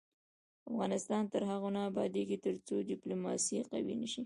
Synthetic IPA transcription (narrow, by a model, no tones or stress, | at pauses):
afɣɑnɪst̪ɑnt̪əɾɦaɣonɑːbɑd̪eɡit̪əɾt͡sodɪplomɑsiqa̰wḭnəʃi